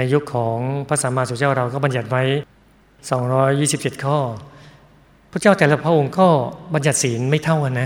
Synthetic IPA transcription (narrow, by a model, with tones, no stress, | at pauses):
na˧jːu˦˥kʰːɔː˩˦ŋpʰa˦˥saː˩˦maː˧su˨˩˦t͡ɕaː˥˩wɾa˧wkɔː˥˩ba˧nja˨˩t̪̚wa˦˥j | sɔː˩˦ŋɾɔː˦˥jːiː˥˩si˨˩p̚t͡ɕe˨˩t̪̚kʰɔː˥˩ | pʰuː˥˩˨t͡ɕaː˥˩wt̪ɛː˨˦la˦˧˩pʰɾa˦˥ʔo˧ŋkɔː˥˩ba˧nja˨˩t̪̚siː˩˦nma˥˩jt̪ʰa˥˩wʔa˨˩na˦˥